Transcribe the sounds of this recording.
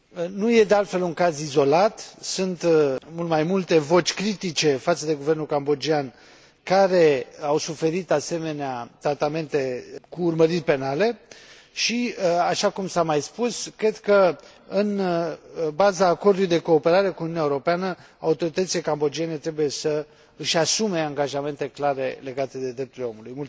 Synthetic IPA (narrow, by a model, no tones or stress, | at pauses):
nuje̞d̪e̞alt̪fe̞luŋkazizo̞lat̪sunt̪mult̪majmult̪e̞vo̞t͡ʃʲkɾit̪it͡ʃe̞fat̪səd̪e̞ɡuve̞rnulkambo̞d͡ʒian | kaɾe̞awsufe̞ɾit̪ase̞me̞neat̪ɾat̪ame̞nt̪e̞kuːrməɾirʲpe̞nale̞ | ʃiaʃakumsamajspuskɾe̞d̪kə | ɨn | bazaːko̞rd̪ulujd̪e̞ko̞ːpe̞ɾaɾe̞kununjaeuɾo̞peanə | a̰ut̪o̞ɾit̪ət̪silekambo̞d͡ʒiene̞t̪ɾe̞buje̞sə | ɨʃasume̞aŋɡaʒame̞nt̪e̞klaɾe̞le̞ɡat̪e̞d̪e̞d̪ɾe̞p̚t̪uɾileo̞mulujmut̪